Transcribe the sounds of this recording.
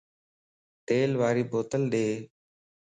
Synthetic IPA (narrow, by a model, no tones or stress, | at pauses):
t̪eːlʋaːɾiːboːt̪əlɗeː